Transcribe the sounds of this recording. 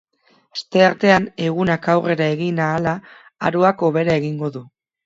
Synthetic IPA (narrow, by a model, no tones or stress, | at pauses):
ast̪e̞aɾt̪e̞ane̞ɣ̞unakawre̞ɾae̞ɣinaːla̰ː | ɾoako̞β̞e̞ɾae̞ɣiŋɡo̞ðu